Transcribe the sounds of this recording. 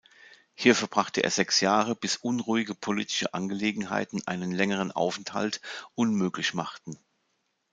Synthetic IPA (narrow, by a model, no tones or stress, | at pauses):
hiːɐfɛɐbʁaχtəʔḛːɐzɛksjaːʁ̞əb̥ɪsʔʊnʁuːɪɡəpʰoliːtɪ̥ʃə̰ʔa̰nɡəleːɡŋ̩ɦa̰ɪtn̩ʔa̰ɪnənlɛŋəʁ̞ənʔa̰ʊfɛntha̰ltʔʊnmøːklɪçmaχtn̩